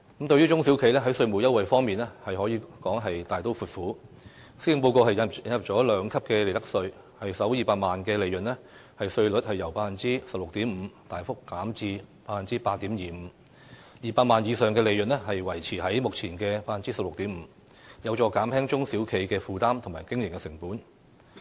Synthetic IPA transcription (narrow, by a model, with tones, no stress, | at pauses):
kɐ˨˥mt̪ɵ˧ɥjyː˥t͡ʃʊ˥ŋsiː˨˥wkʰe˨˥jlɛː˥ɦɐ˨˥jsɵ˧ɥmu˨˩wjɐ˥wɐ˨jfɔː˥ŋmiː˨nɛ˥hɐ˨jhɔː˨˥jiː˧kɔː˨˥ŋɦɐ˨jt̪aː˨jt̪o˥wfuː˨˩t̚fuː˨˥ | sɪ˧ŋpo˧wko˧whɐ˨jɐ˨jɐ˧njɐ˨p̚t͡sɔː˨˥lœː˨˧ŋkʰɐ˥p̚kɛ˧le˨˧jt̪ɐ˥k̚sɵ˧ɥ | hɐ˨jsɐ˨˥wjiː˨˩paː˧t̚maː˨nkɛː˧le˨˧jɵ˨˩nlɛː˥hɐ˨jsɵ˧ɥlɵ˨˥t̚hɐ˨jːɐ˨˩wpaː˧t̚fɐ˨nt͡siː˥sɐ˨p̚lʊ˨k̚t̪iː˨˥m̩ː˨˧t̪aː˨jfʊ˥kːaː˨˥mt͡siː˧paː˧fɐ˨nt͡siː˥paː˧t̚t̪iː˨˥mjiː˨m̩˨˧˦ | jiː˨paː˧t̚maː˨njiː˨˧sœː˨ŋkɛː˧le˨˧jɵ˨n̚ɛ˥ɦɐ˨jwɐ˨˩jt͡sʰiː˨˩ɦɐ˨˥jmʊ˨k̚t͡sʰiː˨˩nkɛː˧paː˧˥fɐ˨nt͡siː˥sɐ˨p̚lʊ˨k̚t̪iː˨˥m̩ː˨˧ | jɐ˨˧wt͡ʃɔː˧kaː˨˥mhɛː˥ŋt͡sʊ˥ŋsiː˨˥wkʰe˨˥jkɛː˧fuː˨t̪aː˥mt̪ʰʊ˨˩ŋmaː˨˩jkɪ˥ŋjɪ˨˩ŋkɛ˧sɪ˨˩ŋpuː˨˥n